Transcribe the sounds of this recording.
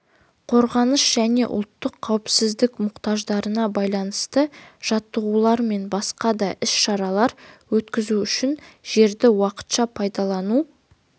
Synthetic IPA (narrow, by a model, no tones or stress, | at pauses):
qʰo̞ɾʁɑnəʃʒ̥æne̞ʔʊ̰lˠt̪ːəqʰːɑwpsɪzd̪ɪkmʊqt̪ɑʒd̪ɑɾənɑbɑjlˠɑnəst̪əʒ̥ɑt̪ːəʁulˠɑɾme̞nbɑsqɑd̪ɑʔɪsʃɑɾɑlˠɑɾwɵt̪kʲɪzuʏʃɪnʒ̥e̞ɾd̪ɪwɑqə̥t̪ʃɑpʰɑjd̪ɑlˠɑnu